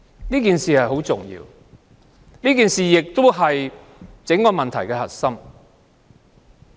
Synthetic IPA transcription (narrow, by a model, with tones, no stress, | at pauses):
liː˥k̬iː˨nsiː˨˩hɐ˨jɦo˨˥wt͡sʊ̰˨˩ŋjḭː˧w | niː˥kiː˨nsiː˨jɪ˨k̚t̪o˥wɦɐ˨j | t͡sɪ˨˥ŋkɔː˧mɐ˨nt̪ʰɐ˨˩jkɛː˧hɐ̰˨t̚sɐ˥m